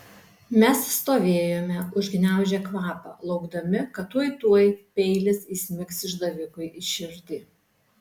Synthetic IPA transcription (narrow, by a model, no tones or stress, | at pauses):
mʲɛsːt̪oːʋʲeːjoːmʲɛʊʒʲɡʲnʲæˑʊʒʲɛkʋɑːpɐ̰ːlˠɒʊɡd̪ɐmʲɪkɐt̪ːuɔjt̪uɔjpʲɛɪlʲɪsiːsʲmʲɪksɪʒd̪ɐʋʲɪkʊɪʔɪʃʲɪɾʲd̪ʲiː